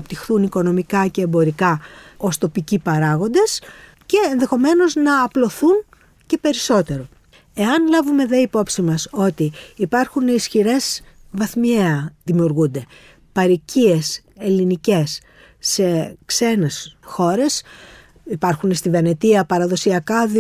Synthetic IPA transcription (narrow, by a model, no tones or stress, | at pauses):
ɐpt̪ixθuniko̞no̞mikɐce̞ːmbo̞ɾikɐo̞st̪o̞picipɐɾɐɣo̞nd̪e̞s | ce̞ːnðe̞xo̞me̞no̞znɐːplo̞θun | ce̞pe̞ɾiso̞t̪e̞ɾo̞ | e̞ɐnlɐvume̞ðe̞ipo̞psimɐso̞t̪iːpɐɾxunisçiɾe̞zvɐθmieɐðimiuɾɣund̪e̞ | pɐɾicie̞se̞linice̞sː | e̞kse̞ne̞sxo̞ɾe̞s | ipɐɾxunest̪ivɐnet̪iɐpɐɾɐðo̞siɐkɐð